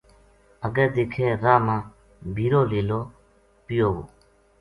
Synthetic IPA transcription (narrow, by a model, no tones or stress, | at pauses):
əɡəd̪eːkʰeːɾaːmãː | bʱiːɾoːliːloː | pɪjoːɦṵː